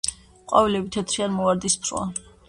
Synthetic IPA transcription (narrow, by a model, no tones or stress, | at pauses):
qʼavilɛbit̪ʰɛt̪ʰɾianmɔaɾd̪ispʰɾwa̰